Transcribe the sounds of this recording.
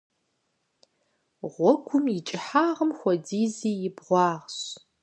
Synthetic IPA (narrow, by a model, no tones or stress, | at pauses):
ʁʷɔkʷʰʊmɪt͡ʃʼɪħaːʁəmxʷɔdiːziːjɪbʁʷɑːʁɕ